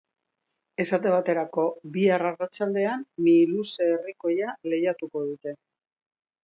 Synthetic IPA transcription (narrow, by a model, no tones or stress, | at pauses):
e̞sat̪e̞βat̪e̞ɾako̞biararat͡ʃald̪e̞anmiluseːriko̞jale̞jat̪uko̞ð̞ut̪e̞